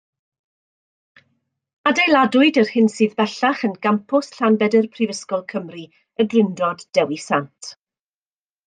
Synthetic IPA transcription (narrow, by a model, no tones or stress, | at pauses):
adejlˠadʊɨdərhɪnsɨːðbɛɬaχənɡampʰʊsɬanbɛdərpʰrivəskɔlˠkʰəmri | əɡrɪndɔdd̥ɛwisantʰ